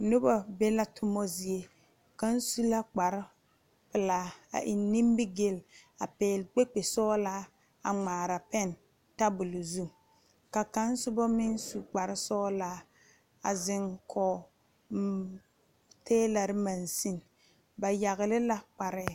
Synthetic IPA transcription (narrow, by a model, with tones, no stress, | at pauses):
nʊ˦ba˨be˦la˦tʊ˦mɔ˦zi˨e˦ | ka˦n̩˦su˦la˦k͡pa˨ɾɪ˦ | pɪ˨laː˨˦a̰˨ʔɪ˨nː˦i˦mbɪ˦ɡe˦la˨pɛː˨lk͡pe˦k͡pe˨sɔː˦laː˦ | a˨ŋ͡maː˨ɾa˨pɛ˦˨n | ta˦bʊ˨lu˨zu˦ | ka˨ka˦n˦sʊ˦bɔ˦mɪ˦n˦su˨k͡pa˨ɾɪ˦sɔː˦laː˦ | a˨zɪ˦ŋkʰɔ˨˦ | tʰeː˦la˨ɾɪ˦ma˨nsi˦n | ba˨ja˨ɣɪ˨lɪ˦la˦k͡pa˨ɾɪ˦˨